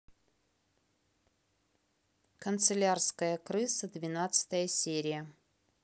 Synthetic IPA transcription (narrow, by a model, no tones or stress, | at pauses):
kənt̪sɨlʲarskəjəkɾɨsəd̪vʲɪnat̪sɨ̥t̪əjəsʲeɾʲɪjə